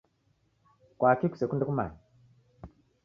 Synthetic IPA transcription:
kwakiku̥sekundekuma̰ni

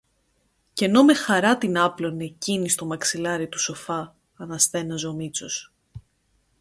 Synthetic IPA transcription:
ce̞no̞me̞xɐɾɐt̪inɐplo̞necinist̪o̞mɐksilɐɾit̪u̥so̞fɐː | nɐsθe̞nɐzo̞mit͡sos

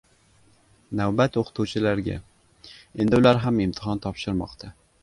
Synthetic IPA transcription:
nawbat̪oqʰɨ̥t̪ʰuwt͡ʃʰɪlaɾɡʲa̰ | e̞nd̪ɪʊlaɾɦamɪmt̪ʰɪɦɒnt̪ʰɒpʃɪɾmɒ̰qt̪ʰa

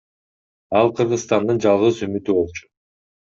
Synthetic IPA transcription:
ɑlˠqʰɯɾʁɯsst̪ɑnd̪ɯnd͡ʒɑlˠʁɯzymyt̪yβo̞lˠt͡ʃʊ̥

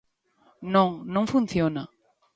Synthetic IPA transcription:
nõŋnõŋfũn̟θjona

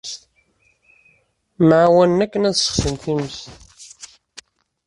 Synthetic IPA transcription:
maʕwænnækːənæðsə̥χsənt̪iməs

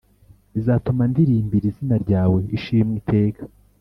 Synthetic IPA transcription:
izaːtumandiɾiːmbiɾizinaɾɟaːwe̞iʃimŋitʰe̞ːkḁ

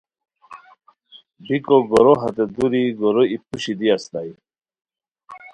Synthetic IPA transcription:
bikɔɡɔɾɔɦat̪ed̪uɾiɡɔɾɔip̚uɕid̪iast̪aji

